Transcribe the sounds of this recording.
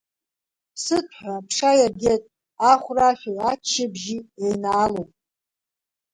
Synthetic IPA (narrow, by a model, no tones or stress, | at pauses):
pʰsɨtʰħʷᶣapʰʂajarɡʲetʼ | aχʷraʃʲʷᶣajat͡ʃʰːɪbʒiejnaːlowpʼ